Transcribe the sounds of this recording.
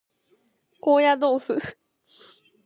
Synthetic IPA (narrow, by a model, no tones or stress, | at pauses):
kojad̪ofɨ